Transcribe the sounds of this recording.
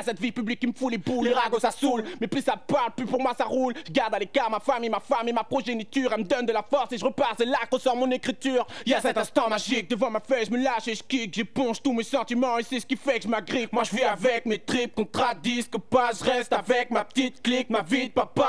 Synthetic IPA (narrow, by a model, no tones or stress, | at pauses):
sɛt̪vipyblikʲːiməfulepuleʁaɡosasulmɛplysapaʁlplypuʁmwasaʁulʒəɡaʁd̪alekaʁmafamemafamemapχɔʒenit̪yːʁɛlməd̪ɔnd̪əlafɔʁseʒəʁəpaʁsɛlakʁəsɔʁmɔ̃nekχit̪yːʁijasɛt̪ɛ̃st̪ɑ̃maʒik̚d̪əvɑ̃mafɛʒəməlaʃeʒə̥kikʒəpɔ̃ʒt̪umesɑ̃t̪imɑ̃esɛsə̥kʲifɛkəʒəmaɡʁikmwaʒəviavɛk̚met̪χip̚kɔ̃t̪χad̪iskəpaʒəʁɛst̪avɛk̚mapə̥t̪it̪klik̚mavid̪̚papa